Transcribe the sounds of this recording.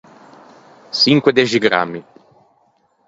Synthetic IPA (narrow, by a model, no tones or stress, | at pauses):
siŋkwed̪ɛʒiɡɾa̰mːi